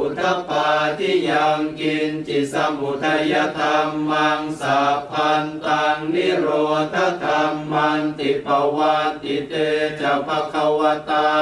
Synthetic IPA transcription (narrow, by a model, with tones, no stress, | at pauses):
u˨˩t̪ʰa˧˥paː˧t̪ʰiː˥˩ja˧ŋki˧nt͡ɕi˨˩sa˧mbu˨˩t̪ʰa˧ja˧˥t̪ʰa˧mːa˧ŋsaː˨˦pʰa˧nt̪aː˧ŋni˥˩ɾoː˧t̪ʰːa˧˥˨k̪a˧mːa˧nt̪i˨˩pa˧wa˧t̪i˨˩˦t̪eː˧t͡ɕa˨˩pa˧kʰa˧wa˧t̪aː˧